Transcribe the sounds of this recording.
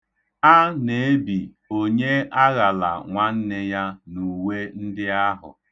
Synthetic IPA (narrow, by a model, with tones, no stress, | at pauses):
a˦ne˨e˦bi˨ | o˦ɲe˦a˦ɣa˨la̰˨ŋʷa˦n̩˦nɪ˦ja˦nu˨we˦n̩˦dɪ˦a˦ɦʊ̰˨